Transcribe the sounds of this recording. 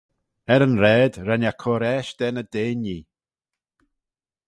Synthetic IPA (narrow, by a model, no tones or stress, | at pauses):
ɛɾənɾɛːd̪ɾɛnjakʰɔɾɛʃd̥̪ɛnəd̪eːniː